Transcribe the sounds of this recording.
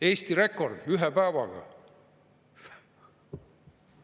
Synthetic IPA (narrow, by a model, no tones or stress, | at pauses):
e̞ːst̪iɾe̞kːˑo̞rd̪̥yɦepæːvɑ̰ɡ̥ɑ̰